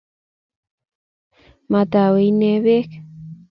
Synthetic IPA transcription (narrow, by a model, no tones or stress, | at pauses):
mat̪aweineβek